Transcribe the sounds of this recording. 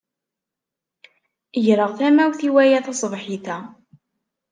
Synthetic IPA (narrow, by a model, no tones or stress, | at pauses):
əʝɾəʁθæmæwθiwæjæθɑsˤvħiθæ